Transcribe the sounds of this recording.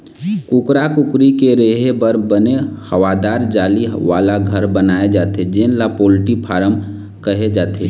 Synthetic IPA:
kukɾakʊkɾikeɾeːɦebəɾbənehəʋad̪aːɾd͡ʒaːliʋaːlaɡʱəɾbənaːed͡ʒaːt̪ʰed͡ʒenlapolʈipʰaːɾəm | kəɦed͡ʒaːt̪ʰḛ

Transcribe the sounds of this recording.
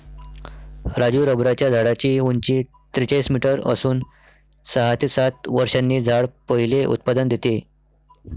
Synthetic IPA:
ɾad͡ʑuːɾəbɾat͡ɕjad͡zʱaɽat͡ɕiːɦuɲt͡ɕiː | t̪ɾit͡ɕaismiʈəɾə̰suːn | səɦat̪isat̪ʋəɾʂanːiːd͡zʱaɭpəɦileʔṵt̪̚pad̪ənd̪et̪e

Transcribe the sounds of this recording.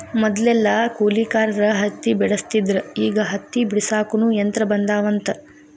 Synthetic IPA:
mɔd̪ɐlɛlːɐkuːliːkaːɾɐɾɐɦɐt̪ːibɛɽɐst̪id̪ɾɐiːɡɐɦɐt̪ːibɽisaːkunujɐnt̪ɾɐbɐnd̪aːʋɐnt̪ɐ

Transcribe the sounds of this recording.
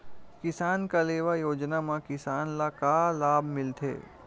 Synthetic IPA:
kɪsaːnkaleːʋajoːd͡ʒnamãkɪsaːnlakaːlaːbʱmɪlt̪ʰḛː

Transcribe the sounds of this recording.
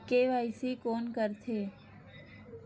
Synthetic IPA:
keʋajsikonkəɾt̪ʰe

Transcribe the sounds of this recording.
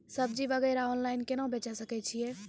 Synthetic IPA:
səbd͡ʒibəɡɛɾaɔnlaɪnkenãbʱet͡ʃasəkɛt͡ʃʰije

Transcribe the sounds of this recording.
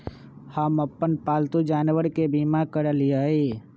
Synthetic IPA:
həməpːənpalt̪ud͡ʒaːnʋəɾkebimakəɾəlijəi

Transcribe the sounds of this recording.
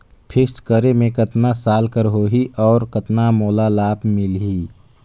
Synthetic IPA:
pʰɪskəɾemẽkət̪nasaːlkəɾɦoːɦiʔɔːɾkət̪namoːlalaːpmɪlɦiː

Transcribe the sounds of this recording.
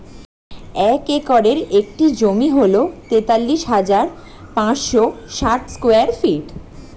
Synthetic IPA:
ɛkekɔɾeɾek̚ʈid͡ʑomiɦolot̪et̪alːiʃɦad͡ʑaɾ | pãt͡ɕʃoʃaʈskoeaɾfiʈ

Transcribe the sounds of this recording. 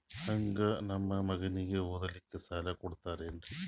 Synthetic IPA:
ɐŋɡɐnɐmːɐmɐɣɐniɣɐuðɐlikːɨsɐlɐkoɽut̪ːɐɐrenɖɨ

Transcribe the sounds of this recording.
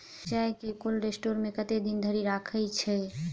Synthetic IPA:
d͡ʒaekekulɾesʈoɾmekət̪ed̪ind̪ʱəɾiɾakʰəjt͡ʃʰɛ

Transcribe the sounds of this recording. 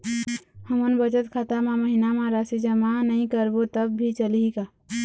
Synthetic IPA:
həmənbət͡ʃət̪kʰat̪amãməɦinamãɾasid͡ʒəmanəĩkəɾbot̪əbːʱit͡ʃəlika

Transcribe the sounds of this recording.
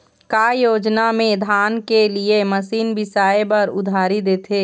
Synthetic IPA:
kajoːd͡ʒnamẽd̪ʱaːnkelieməsiːnbɪsaːebɐɾʊ̰d̪ʱaːɾid̪eːt̪ʰeː

